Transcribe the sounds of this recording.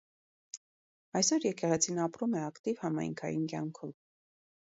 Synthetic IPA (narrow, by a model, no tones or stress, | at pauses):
ɑjsɔɾjɛkɛʁɛt͡sʰinɑpɾumɛɑkt̪ivhɑmɑ̰jŋkʰɑ̰jinkjɑŋkʰɔv